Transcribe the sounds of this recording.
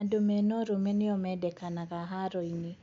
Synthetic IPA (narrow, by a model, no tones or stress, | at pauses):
domɛnɔɾomɛnɪɔmɛdɛkanaɣaɦaɾɔini